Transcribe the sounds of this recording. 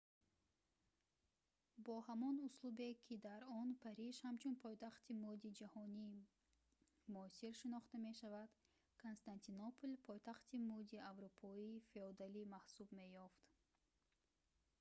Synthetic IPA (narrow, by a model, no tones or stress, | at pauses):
bɔhamɔnuslube̞kʰid̪aɾɔnpʰaɾiʃhamt͡ʃʰunpʰɔjt̪aχt̪ʰimud̪id͡ʒahɔni | muːsiɾʃinɔχt̪ame̞ʃavad̪̥ | kʰonst̪ant̪ʰinɔpʰulpʰɔjt̪ʰaχt̪ʰimud̪iavɾupʰɔiːfeɔd̪alimahsubme̞jɔft̪